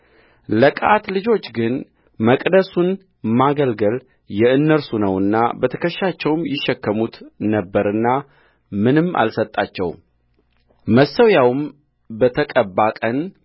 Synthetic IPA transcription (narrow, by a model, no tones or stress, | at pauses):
ləkʼat̪lɨd͡ʒo̞t͡ʃːɡɨn | məkʼd̪əsun | maɡəlɡəl | jɛɨnːəɾsunəwɨnːa̰bət̪ʰəkʰəʃːat͡ʃːɛwmjɪʃːɛkːəmut̪nəbːəɾɨnːa | mɨnɨmʔa̰lsət̪ʼːat͡ʃːɛ̰w | məsəwjawm | bət̪ʰəkʼəbːakʼən